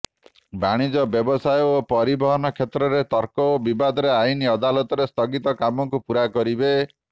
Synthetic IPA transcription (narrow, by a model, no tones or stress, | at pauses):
baɽ̃id͡ʒɔbjɔbɔsajɔopɔɾibɔɦɔnɔkʰet̪ɾɔɾet̪ɔɾkɔobibad̪ɔɾeainiɔd̪alɔt̪ɔɾest̪ɔɡit̪ɔkamɔŋkupuɾakɔɾibe